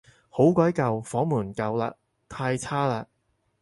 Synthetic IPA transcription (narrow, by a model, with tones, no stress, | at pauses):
ho˨˥wkɔː˨˥jkɐ˨wfɔː˨˥muː˨˩nkɐ˨wla̰ː˧ | t̪ʰaː˧jt͡sʰaː˥laː˧